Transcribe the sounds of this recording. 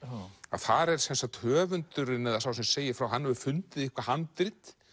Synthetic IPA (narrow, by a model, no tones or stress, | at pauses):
a̰ðθaɾɛɾ̥sɛnsat̪hœːvʏnt̪ʏɾɪnɛðasawsɛmseːjɪfɾawɦanːɛʏ̥fʏnt̪ɪðɪhkvahant̪ɾɪt̪